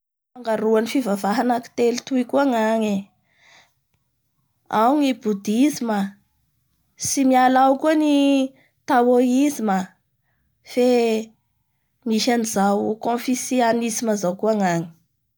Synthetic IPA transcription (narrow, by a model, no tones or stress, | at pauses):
faŋɡaɾuanifivavaɦanaki̥t̪elit̪uikuaŋaŋe | awŋibud̪izima | simialawkuəni | t̪awoizima | fe | miʃanizawkõnfisianisimazawkuaŋaŋi̥